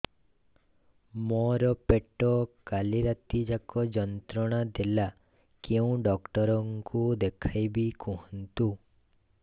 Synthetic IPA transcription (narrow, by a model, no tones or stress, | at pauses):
mɔɾɔpeʈɔkaliɾat̪id͡ʒakɔd͡ʒɔnt̪ɾɔɽ̃ad̪ela | keũɖɔkʈɔɾɔŋkud̪ekʰajbikʰɔɦɔnt̪u